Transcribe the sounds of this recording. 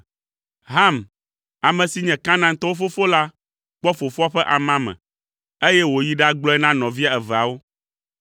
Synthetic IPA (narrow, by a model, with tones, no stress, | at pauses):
ɦa˦m | a˨mɛ̃˨si˨ɲɛ̃˨kã˦nã˦ŋ˦t̪ɔ˦wo˦fo˦fo˦la˦ | k͡pɔ˦fo˨fo˦a˦ɸɛ˦ʔa˨mã˦mɛ̰̃˨ | e˦jɛ˦wo˨ji˦ɖa˦ɡ͡blɔ˦ɛ˦nã˦nɔ̃˨vi˦a˨ɛ˨vɛ˨a˨wo˦